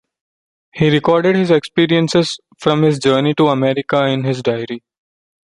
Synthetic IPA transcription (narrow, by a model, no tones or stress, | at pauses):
hiːɾɪkɔːɾɖeɖhɪzekspiːɾiə̃nsez | fɾɔ̃mhɪzd͡ʒəːɾniʈuɐmɛɾɪkaɪ̃nɦɪzɖaɪəɾi